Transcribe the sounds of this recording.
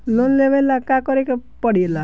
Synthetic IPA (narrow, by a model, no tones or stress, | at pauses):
lonleʋelakakɔɾekepɔɽiela